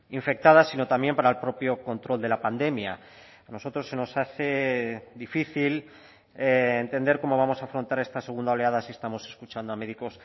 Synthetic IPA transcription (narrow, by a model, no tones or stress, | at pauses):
iɱfe̞k̚t̪að̞asino̞t̪ambje̞mpaɾaelpɾo̞pjo̞ko̞nt̪ɾo̞ld̪e̞lapand̪e̞mja | ano̞so̞t̪ɾo̞sːe̞no̞saθe̞d̪ifiθil | eːnt̪e̞nd̪e̞ɾko̞mo̞β̞amo̞saːfɾo̞nt̪aɾe̞st̪ase̞ɣund̪ao̞le̞aðasie̞st̪amo̞se̞skut͡ʃand̪oame̞ðiko̞s